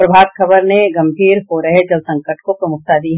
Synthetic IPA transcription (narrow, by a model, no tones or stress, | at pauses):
pɾɐbʱaːt̪̚kʰɐbəɾneɡɐ̃mbʱiːɾɦoɾɦed͡ʒɐlsɐ̃ŋkəʈkopɾɐmʊk̚t̪ad̪iɦ